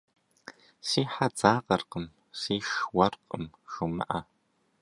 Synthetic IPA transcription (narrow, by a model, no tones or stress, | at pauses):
siːħad͡zaːqɐrqəm | siːʃwɐrqʼəm | xɨmɐ̰ʔa